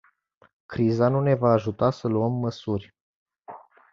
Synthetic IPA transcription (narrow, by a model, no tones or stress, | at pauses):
kɾizanune̞vaːʒut̪asəluəmːəsurʲ